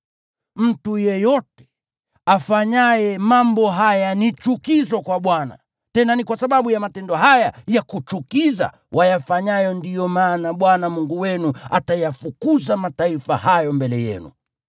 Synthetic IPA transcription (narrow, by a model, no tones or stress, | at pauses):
m̩tujɛjɔtɛ̥ | afaɲajɛmambɔɦajanit͡ʃukizɔkwaɓwana̰ | tɛnanikwasaɓaɓujamatɛndɔhajajakut͡ʃukiza̰ | wʔajafaɲajɔndijɔmaːnaɓwanamuŋɡuwɛnua̰tajafukuzamataifa̰hajɔmbɛlɛjɛ̰nṵ